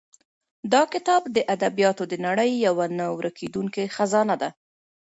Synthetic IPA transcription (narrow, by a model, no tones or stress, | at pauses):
d̪ɑkɪt̪ɑbd̪əʔad̪abijɑt̪od̪ənaɽəjːawanawɾakʰed̪uŋkexazɑnad̪a